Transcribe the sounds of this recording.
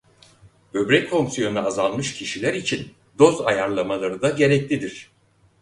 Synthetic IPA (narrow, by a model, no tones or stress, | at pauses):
bø̞bɾɛcfo̞ŋsjonnaazalˠmɯʃcʰiʃilʲæɾit͡ʃʰin | d̪o̞zajaɾlˠamalˠaɾɯd̪aɟe̞ɾɛclʲid̪iɾ̝̥